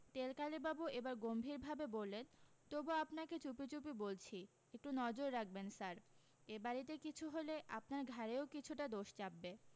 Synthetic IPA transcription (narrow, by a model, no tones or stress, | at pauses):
t̪elkalibabuʔebaɾɡombʱiɾbʱabebolːen | t̪obuapnaket͡ɕupit͡ɕup̬ibolt͡ɕʰi | ek̚ʈunɔd͡ʑoɾːak̚ʰbensaɾ | ebaɾit̪̬ekit͡ɕʰuɦoleʔa̰p̚naɾɡʱaɾeokit͡ɕʰuʈad̪oʃt͡ɕabːe